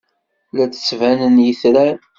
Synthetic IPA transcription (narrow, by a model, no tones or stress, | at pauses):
læt͡sːə̥sːvænənjəθɾæn